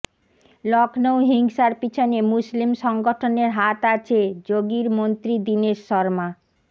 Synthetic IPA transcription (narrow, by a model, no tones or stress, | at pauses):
lɔknowɦiŋʃaɾpit͡ɕʰonemuslimʃɔŋɡoʈʰoneɾɦat̪at͡ɕʰed͡ʑoɡiɾmont̪ɾid̪ineʃʃɔɾma